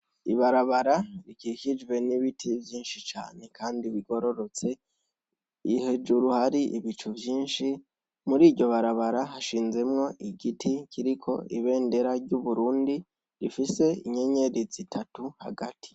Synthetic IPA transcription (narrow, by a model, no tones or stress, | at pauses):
iβaɾaβaɾaɾikikid͡ʒɡwe̞niβitʰivjiːnʃit͡ʃa̰ːne̞kʰaːndiβiɡo̞ɾo̞ɾo̞t͡se̞ | ihe̞d͡ʒuɾuhaɾiʔiβit͡ʃuvjiːnʃi | muɾiːɾɟo̞βaɾaβaɾaɦaʃiːnze̞mŋo̞ʔiɡitʰikiɾikʰo̞ʔiβe̞ːnde̞ɾaɾɟuβuɾuːndi | ɾifise̞iɲe̞ɲe̞ɾez̥itʰatuha̰ɡati̥